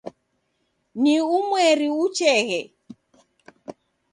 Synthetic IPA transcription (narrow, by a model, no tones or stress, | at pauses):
niumwɛɾiut͡ʃɛɣɛ